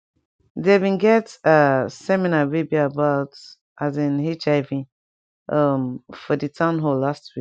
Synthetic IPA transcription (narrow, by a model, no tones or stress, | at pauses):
debĩnɡɛtasɛminaɹebiaːbaʊt | ʔazĩnhit͡ʃaɪvĩ | ʔʌmfɔdɨtʰãʊ̃nɦolastwik